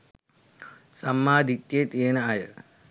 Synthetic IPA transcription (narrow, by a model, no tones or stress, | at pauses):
sɐmːaːd̪ʱit̪jeːt̪eːnɐajɐ